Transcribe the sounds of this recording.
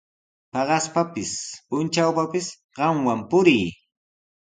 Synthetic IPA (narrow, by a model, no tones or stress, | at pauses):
pɑɢɑspapɪspʊnt͡ʃawpapɪs | ɢɑmwampʊɾɪj